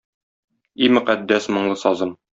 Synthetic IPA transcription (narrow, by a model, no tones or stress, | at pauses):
imɵ̆qæd̪ːæsmŏɴlˠɤsɒzɤm